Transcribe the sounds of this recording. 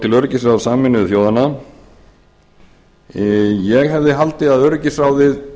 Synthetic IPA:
t̪ʰɪlœɾcɪsɾawðsaːmɪnʏθjoːwðanːa | jɛɣɦɛvðɪɦalt̪ɪðaðœɾcɪsɾawðɪð

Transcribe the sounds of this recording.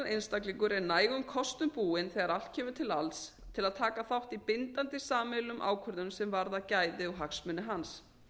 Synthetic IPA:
nʔejnst̪akliŋkʏɾɛɾnaːjɣʏmkʰɔst̪ʏmpuːɪnθɛɣaɾalt̪cʰɛːmʏt̪ʰɪlalt̪s | t̪ʰɪlaðt̪ʰaːkaθawht̪ipɪnt̪ant̪ɪsaːmɛlʏmʔa̰ːwkʰœɾðʏmsɛmvaɾðacaːjðɪɔɣɦaksmʏnɪɦans

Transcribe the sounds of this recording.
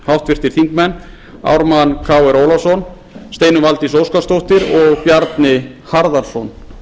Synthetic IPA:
hawht̪vɪr̥t̪ɪɾ̥θint̪mɛnː | a̰wɾmankʰaːwɛɾoːwlasɔn | st̪eːjnʏvalt̪isoːwskast̪owht̪ɪɾɔɣpjaɾt̪nɪ | haɾðaɾsɔn

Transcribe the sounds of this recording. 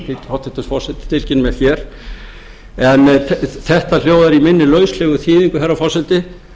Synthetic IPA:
t̪ɪhawt̪ːɛht̪ːʏsfɔr̥sɛlt̪ɪ̥t̪ʰɪlcɪnmɛçjɛɾ̥ | ɛnθɛht̪al̥joːwðaɾimɪnːɪlœːɥslɛːɣʏθʰiːðiŋkʏɦɛɾrːafɔrsɛlt̪ɪ

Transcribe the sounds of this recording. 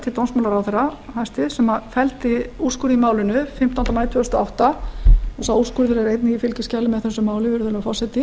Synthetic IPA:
t̪ʰɪt̪ownsmawlaɾawθɛɾahajst̪ɪsɛmaðfɛlt̪ɪu̥skʏɾimaːwlɪnʏfɪm̥t̪awnamaːjt̪ʰœːst̪ɔa̰wht̪aɔsauskʏɾðɪɾɛɾejt̪nɪɣifɪlcɪscaːlɪmɛðθɛsːʏmaːwlɪvɪɾʏðʏlfasɛt̪ɪ

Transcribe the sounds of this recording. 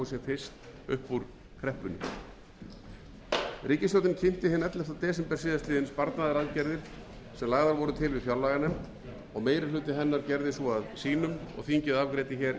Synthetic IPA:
s̬jɛfɪ̥st̪ʏhpːuɾ | kʰɾɛhpʏnːʏ | ɾiːcɪst̪owt̪ɪncʰɪm̥t̪ɪhɪnɛt̪lɛft̪awt̪ɛːsɛmpɛ̥siːðast̪ɪːðɪnspaɾt̪naðɪɾaðcɛɾðɪɾ̥ | sɛmlaɣðaɾvɔːɾʏt̪ʰɪlvɪðfjawlaːɣanɛm | ɔɣmeːjɾɪ̥lʏːt̪ɪɦɛnːaɾcɛɾðɪsɔaðsiːnʏmɔ̰ɣθiɲcɪðavkɾeːjt̪ɪçɛɾ

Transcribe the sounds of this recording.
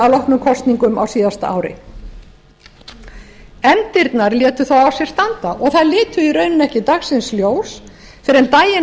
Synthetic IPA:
alɔhknʏmkʰɔst̪niŋkʏmʔa̰wsiːðast̪aʔa̰ːwɾɪ̰ | ɛmt̪ɪɾt̪naɾljɛːt̪ʏθawawsjɛɾ̥st̪ant̪aʔɔɣθaðlɪːt̪ʏiɾœːɥnʏnɛhcɪt̪axsɪnsljoːws | fɪɾɛnt̪aːjɪn

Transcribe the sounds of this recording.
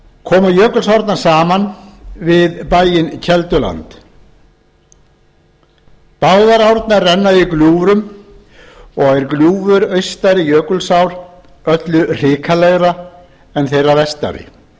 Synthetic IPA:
kʰɔːmajœːkʏlsawɾt̪naɾ̥saːmanvɪðpaːjɪncʰɛlt̪ʏla̰nt̪ | paːwðaɾawɾt̪narːɛnːaðikljuːvɾʏm | ɔɣɛɾkljuːvʏɾœɥst̪aɾɪjœːkʏlsawɾ | œt̪lʏr̥ɪːkʰalɛɣɾa | ɛnθejrːavɛst̪a̰ɾɪ̰

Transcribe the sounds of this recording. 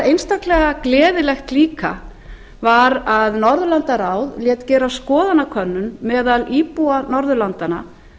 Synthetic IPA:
ejnst̪aklɛɣaklɛːðɪlɛxt̪liːka̰ | vaɾaðnɔɾðʏlant̪aɾawðljɛːt̪cɛːɾawskɔːðanakʰœnːʏnmɛːðaliːpuanɔɾðʏlant̪ana̰

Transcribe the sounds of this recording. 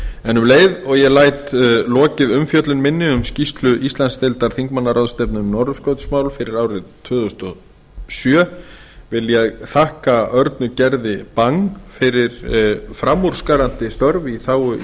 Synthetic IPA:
ɛnʏmleːjðɔɣjɛlaːjt̪lɔːcɪðʏmfjœt̪lʏnmɪnːɪʏmscist̪lʏʔist̪lanst̪ɪlt̪aɾ̥θiŋkmanːaɾawðst̪ɛpnʏnnɔɾðskowt̪smaːwlfɪɾɪɾaːwɾɪt̪ʰvʏːðʏʏst̪ɔ | sjœ | vɪljɛðθahkaœɾt̪nʏcɛɾðɪpaŋfɪɾɪɾfɾamːuɾ̥skaɾant̪ɪst̪œɾviθaːwʏ

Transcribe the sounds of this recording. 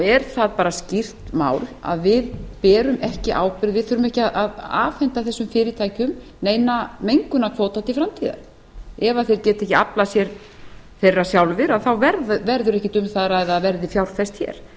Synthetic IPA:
ɛɾ̥θaðpaːɾascir̥t̪ma̰ːwla̰ðvɪðpɛːɾʏmɛhcɪʔa̰ːwpɪɾðvɪðθœːɾʏmɛhcɪaðaða̰ːfɛnt̪aθɛsːʏmfɪːɾɪt̪ʰaːjcʏmneːjnamejŋkʏnakʰvoːwt̪at̪ʰɪlfɾamt̪ʰiða̰ɾ | ɛvaθejɾcɛːt̪ɛhcɪaplasjɛɾ | θejrːasjawlvɪɾaðθawvɛɾðvɛɾðʏɾɛhcɪt̪ʏmθaðɾaɛðaðvɛɾðɪfjawɾ̥fɛst̪çɛ̰ɾ̥

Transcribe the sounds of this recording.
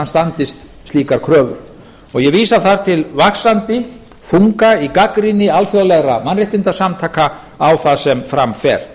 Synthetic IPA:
anst̪ant̪ɪst̪ | st̪liːkaɾ̥kʰɾœːvʏ̰ɾ̥ | ɔɣjɛviːsaθað̥t̪ʰɪlvaksant̪ɪ | fuŋkaikakɾinɪalfjowlɛɣɾamanrɪht̪ɪnt̪asamt̪ʰaːka | awθaðsɛmfɾamfɛ̰ɾ̥

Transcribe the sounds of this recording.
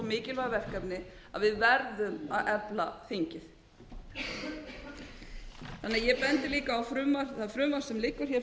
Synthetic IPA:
mɪːcɪlvaɣavɛr̥kapnɪaðvɪðvɛɾðʏmaðʔɛplaθiɲcɪθ | θanːɪajɛpɛnt̪ɪliːkaːwfɾʏːmaɾ̥θaðfɾʏːmaɾ̥sɛmlɪkːʏɾ̥çɛ

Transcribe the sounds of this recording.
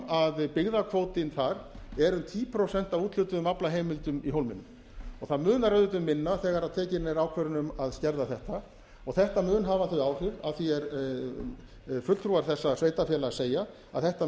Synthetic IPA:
aðpɪɣðakʰvoːwt̪ɪnθaɾɛɾʏmt̪ʰiːpʰɾosɛn̥t̪avuːt̪lʏt̪ʏðʏmaplaɦeːjmɪlt̪ʏmiɦowlmɪnːʏm | ɔɣθaðmʏːnaɾœðʏt̪ʏmːɪnːaθɛːɣaɾaðt̪ʰɛːcɪnejɾaːwkʰvɛɾʏnʏmaðscɛɾðaθɛht̪a | ɔɣθɛht̪amʏːnɦavaθʏaːwr̥ɪva̰ðθiɛɾ | fʏt̪lt̪ʰɾuːaɾ̥θɛsːasveːjt̪afjɛlaseːja | a̰ðθɛht̪a

